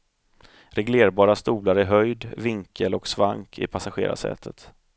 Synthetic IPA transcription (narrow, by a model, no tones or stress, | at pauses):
ɾɛɡleːɾbɑːɾast̪uːlaɾæɾɦœjd̪vɪŋkʰəlɔksvaŋkʰɪ̰pʰasaɧḛːɾa̰sɛ̰ːt̪ʰət̪